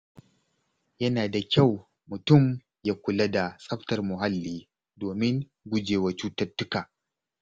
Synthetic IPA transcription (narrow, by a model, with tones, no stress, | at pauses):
jɐ˦naː˨da˨kʲa˦˨w | mʊ˨tʊ˦˨m | jaː˦kʷʊ˨lɐ˦da˨sʼɐ˦ɸtɐ˨rmʊ˨ɦa˦lːiː˦ | doː˨mɪ˦ŋ | ɡʷʊ˦d͡ʒeː˨wa˦t͡ʃuː˦tɐ˦rtːʊ˦kaː˨